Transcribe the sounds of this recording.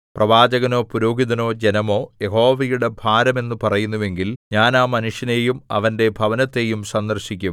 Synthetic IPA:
prɐʋaːd͡ʑɐɣɐno̞ːpuɾoːɡiðɐno̞ːd͡ʑenɐmo̞ːje̞ɦo̞ːʋɐjuɽe̞bʱaːɾɐme̞nːɨpɐrɐjunːuʋe̞ŋɡilɲaːnaːmɐnuʂjɐnejumɐ̰ʋɐnde̞bʱɐʋɐnɐt̪ːe̞jumsɐnd̪ɐrɕikʲːu

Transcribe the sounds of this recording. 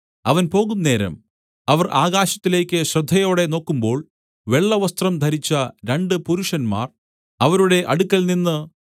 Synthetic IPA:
ɐʋɐnpo̞ːɣunːe̞ːɾɐ̰m | ɐʋɐrʔaːɣaːɕɐ̥t̪ːile̞ːkʲːɨɕrɨd̪ʱːɐjo̞ːɽe̞no̞ːkːumbo̞ːɭ | ʋe̞ɭːɐʋɐst̪rɐmd̪ʱɐɾit͡ɕːɐɾe̞ɳɖɨpuɾuʂɐnma̰ːr | ɐʋɐɾuɽe̞ʔɐɽukːɐlninːɨ

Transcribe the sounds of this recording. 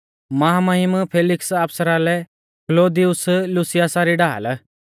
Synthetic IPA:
mɐɦamaɦɪmpʰeːlɪksaːpsəɾalɛ | kloːd̪iʊslʊsɪjasaɾiɖa̰ːl

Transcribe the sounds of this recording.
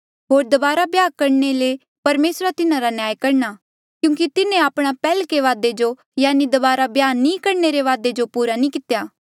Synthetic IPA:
ɦoːɾd̪ɐbaːɾabjaːɡ̚kɐɾnele | pɐɾmeːsɾat̪ɪnãɾanjaːjkɐɾna | kjũːk̬it̪ɪnẽaːpɽ̃apɛːlkeʋaːd̪ed͡ʒo | jaːnid̪ɐbaːɾabjaːnːĩkɐɾneɾeʋaːd̪ed͡ʒopuːɾanĩkɪt̪jaː

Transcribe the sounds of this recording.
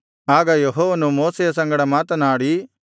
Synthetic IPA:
aːɡɐjɐɦoːʋɐnũmoːsejɐs̬ɐ̃ŋɡɐɽɐmaːt̪ɐnaːɽi

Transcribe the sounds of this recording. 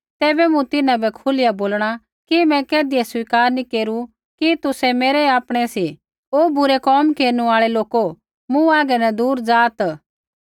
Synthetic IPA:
t̪ɛːbɛmũt̪ɪnãbɛkʰʊlɪjaboːlɽ̃a | kimɛ̃kɛːd̪ɪesʊwiːkaːɾnĩkeːɾu | kit̪ʊsɛmeːɾɛaːpɽ̃ɛsi | oːbʊɾɛkɔːmkeːɾnuaːɭɛloːko | mũaːɡɛnɛd̪uːɾd͡zaːt̪

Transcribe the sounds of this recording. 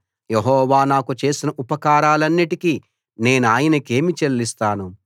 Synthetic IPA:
jeɦɔːʋaːnaːkut͡ʃe̞ːsinɐʔupɐkaːɾaːlɐnːiʈiki | ne̞ːnuaːjɐnɐke̞ːmit͡ʃellist̪aːnu

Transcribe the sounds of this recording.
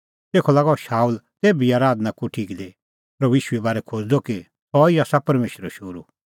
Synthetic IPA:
t̪eːkʰɔlaːɡɔʃaːuːlt̪eːbiaːɾaːd̪nakuʈʰiːkd̪e | pɾɐbiːʃuebaːɾɛkʰod͡zd̪ɔki | t̪ɔiaːsapɐɾmeːʃɾəʃʊɾu

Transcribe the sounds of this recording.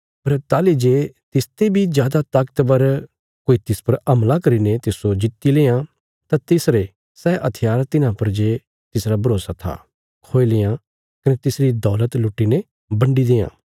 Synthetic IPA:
pɐɾt̪aːlid͡ʒeːt̪ɪst̪ebʱid͡ʒjaːd̪at̪ɐkt̪bɐɾ | koːit̪ɪspɐɾɐmlakɐɾinet̪ɪsod͡ʒɪt̪ːileːã | t̪ãt̪ɪsɾe | sɛːʔɐt̪ʰɪjaːɾt̪ɪnãpɐɾd͡ʒeː | t̪ɪsɾabɐɾoːsat̪ʰa̰ | kʰoːelejã | kɐnet̪ɪsɾid̪ɔːlət̪lʊʈːine | bɐ̃ɳɖid̪eːã̰ː

